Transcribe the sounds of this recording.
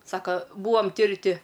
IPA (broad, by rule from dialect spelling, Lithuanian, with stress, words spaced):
ˈsɑːkɐ ˈbuːoːm ˈtʲɪ ɪr ˈtʲɪ